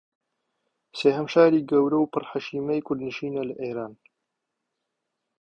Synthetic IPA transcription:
seːhɐmʃaːɾiːɡɐwɾɐwpɨrħaʃiːmɐjkʰʊɾd̪nɨʃiːnɐlɨʔeːɾaːn

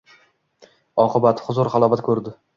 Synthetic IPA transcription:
ɒqʰɨbat̪hʊzʊɾχɑlˠɒvat̪kʰɵɾd̪ɪ

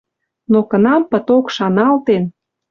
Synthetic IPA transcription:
nokənɑmpət̪okʃɑnɑlt̪en

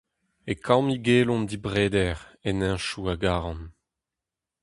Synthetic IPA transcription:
ekʰamiɡeːlɔ̃nd̪ibʁeːd̪ɛʁɛnɛ̃ʃuaɡaːʁɑ̃n

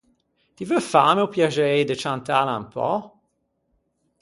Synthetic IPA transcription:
t̪ivəfaːməwpjad͡ʒɛɛjd̪ət͡ʃant̪aːlampʰɔ̰

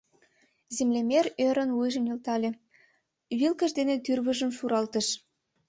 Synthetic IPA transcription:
zemlemerøɾənujʒə̆nilt̪ɑlʲe | βilkə̆ʃd̪enet̪yrβəʒəmʃuɾɑlt̪ə̆ʃ

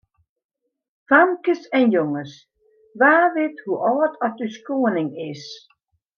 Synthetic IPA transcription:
faŋkəsɛnjoŋəs | ʋaːʋɪthuʔɔːtʰɔt̚yskoːənɪŋɪs

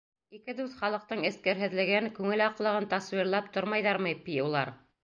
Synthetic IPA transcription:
ikɘd̪ʉθχɑlˠɤ̆q̚t̪ɤɴɘ̆skæɾɦɘ̆ðlɘ̆ɡɘŋkʉŋɘlɑqlˠɤ̆ʁɤnt̪ɑswiɾlˠɑp̚t̪oɾmɑjðɑɾmɤjpijulˠɑ̰ɾ

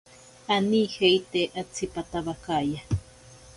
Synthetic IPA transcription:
aniheit̪eʔat͡sʰipat̪aβakaja

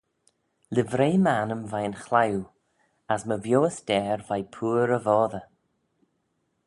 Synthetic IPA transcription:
lɪvɾeːməanəmvajənxlaw | asməvjoːəsd̥ɛːɹvajpʰuːɾəvɔːðə

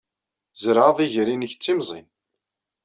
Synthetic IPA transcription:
zɾəðˤiʝɾinəçt͡sːimzˤḭn

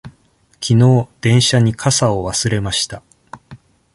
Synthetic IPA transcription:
kʲʰino̞ːd̪̥ẽ̞ɰ̃ɕaɲ̟ikʰasaoβasɨɾe̞maɕi̥t̪a

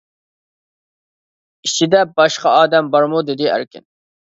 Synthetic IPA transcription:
it͡ʃʰid̪ɛbɑʃqɑɑːd̪ɛmbɑɾmud̪ɪd̪ɪæ̰ɾkʲɪ̰n

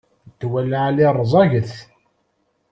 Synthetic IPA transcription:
t̪ːwælːaʕlirˤzˤɑʝəθ

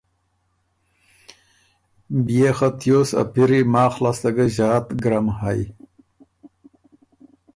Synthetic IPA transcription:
bijexat̪joːsa̰piɾimaːxlast̪ɐɡaʑaːt̪ɡɾamhaj

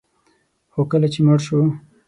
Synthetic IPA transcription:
xokəlat͡ʃeməɽʃu

